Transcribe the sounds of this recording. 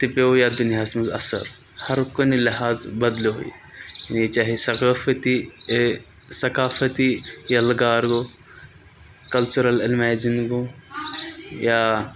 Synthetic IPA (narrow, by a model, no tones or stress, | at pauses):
t̪ɪpojad̪ʊnjaːsmɐzɐ̰sɐ̰ɾ | hɐɾkonilɪɦaːzbɐd̪loo̰jḭ | janit͡ʃaːɦesɐkaːfɐt̪i | sɐkaːfɐt̪ijɐlɡaːɾɡo | kɐlt͡ʃuɾɐlɪlmɛːd͡ʒɪnɡo | ja